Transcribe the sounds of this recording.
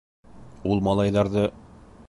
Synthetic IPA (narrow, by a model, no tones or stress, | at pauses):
ulˠmɑlˠɑjlˠɑɾðɤ